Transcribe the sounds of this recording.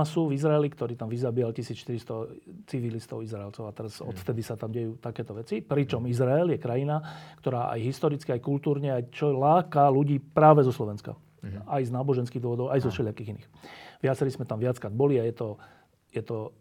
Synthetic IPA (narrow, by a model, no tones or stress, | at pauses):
asuvizɾaɛlikt̪ɔɾiːt̪amʋizabiːalcisiːt͡sʃt̪iɾist̪ɔt͡siʋilist̪ɔʊizɾaɛlt͡sɔʊat̪ɛɾazɔ̰t̪ft̪ɛd̪isat̪amɟɛjuːt̪akɛːt̪ɔʋɛt͡sipɾit͡ʃɔmizɾaɛljɛkɾajinakt̪ɔɾaːʔa̰jɦist̪ɔɾit͡skiajkult̪uːɾɲɛajt͡ʃɔlaːkaluɟiːpɾaːʋɛzɔslɔʋɛnska̰ | ajznaːbɔʒɛnskiːɣd̪ʋɔʋɔd̪ɔʊajzɔʃɛlɪakiɣinḭːxʋɪat͡sɛɾizmɛt̪amʋɪat͡skɾad̪̚bɔliajɛt̪ɔ | jɛt̪ɔ